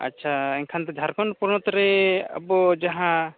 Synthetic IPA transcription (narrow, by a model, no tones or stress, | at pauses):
a̰tːʃʰaɛŋkʰant̪ɔd͡ʒʱaɾkɔnpuɾɳɔt̪ɾea̰bɔd͡ʒaɦã